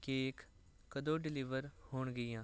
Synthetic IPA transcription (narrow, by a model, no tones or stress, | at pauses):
keːk | kəd̪õːɖɪlɪʋəɾhoːɳɡəjãː